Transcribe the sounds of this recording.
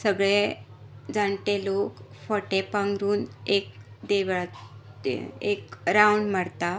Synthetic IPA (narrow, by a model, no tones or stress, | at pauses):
səɡɭe | d͡zaɳʈelokfəʈepãŋɡɾuːnek̚d̪eʋ | ekɾawɳɖm̤əɽt̪a